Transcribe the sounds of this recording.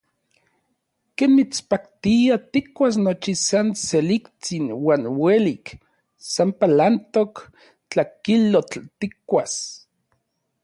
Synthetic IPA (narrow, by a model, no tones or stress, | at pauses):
keːnmit͡spakt̪iat̪ikwas̬not͡ʃisanselikt͡sinwaːnwelik | sampalant̪ok | t͡ɬakilot͡ɬt̪ikwas